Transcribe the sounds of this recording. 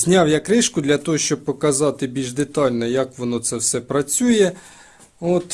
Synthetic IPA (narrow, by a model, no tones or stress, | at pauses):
zʲnʲɑwjakɾɪʃkʊd̪lʲɐt̪ɔɦɔʃt͡ʃɔb̚pɔkɐzɑt̪ɪbʲilʒd̪et̪ɑlʲnɔjɐkʋɔnɔt̪sɛwsɛpɾɐt͡sʲujɛ | ot̪